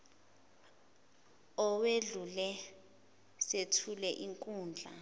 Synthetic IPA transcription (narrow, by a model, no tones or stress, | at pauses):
ɔweɮulɛ | setʰulɛʔiŋkʼuːnd͡ɮʱa